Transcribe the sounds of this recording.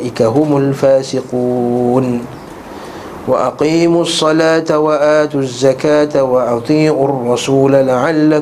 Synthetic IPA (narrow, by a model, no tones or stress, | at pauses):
ʔɪkaɦʊmʊlfaːsɪquːn | waʔɑqiːmʊsˤːɑlaːt̪awaʔaːt̪ʊzːakaːt̪awɑʔɑt̪ˤiːʕʊrˤːɑsuːlalaʕalːa